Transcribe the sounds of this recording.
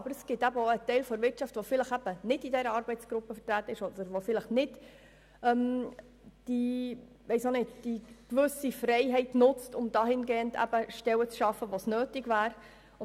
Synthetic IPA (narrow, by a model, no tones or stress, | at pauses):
ɑbəɾəsɡ̥ɪt̪æbəoət̪ɛɪlfɔɾʋɪɾt͡ʃɑftʋofɪləχæb̥ənɪdidɛɾəɑɾbɛɪt͡sɡ̥ɾʊpːəfə̥ɾt̪ɾæːt̪ːəɪʃɔd̪əɾʋofɪləχnɪd̥ | œm | d̥i | ʋɛɪsonɪtd̥ikʋʏsifrɛɪɦɛɪtnʊt͡stʊmd̥ɑːɦɪnɡeːəndæ̰b̥əʃtɛwət͡sʃɑfəʋosnøːtɪɡʋæːɾ